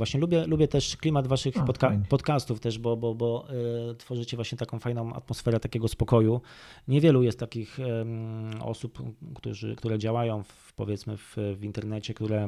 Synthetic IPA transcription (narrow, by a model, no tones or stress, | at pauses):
vwaɕɲɛlubʲjɛlubʲjɛt̪ɛʂklʲimad̪vaʂɘxpɔt̪kapɔt̪kast̪uft̪ɛʐbɔbɔbɔt̪fɔʐɘt͡ɕɛvwaɕɲɛt̪akɔ̃w̃fajnɔ̃w̃a̰t̪mɔsfɛɾɛt̪akʲɛɡɔspɔkɔjuɲɛvʲjɛlujɛst̪t̪ːakʲix | ɔ̰supkt̪ṵʐɘ̰kt̪uɾɛd͡ʑawajɔ̃w̃f | pɔ̰vʲjɛt̪smɘ̰vvint̪ɛɾnɛt͡ɕɛkt̪uɾɛ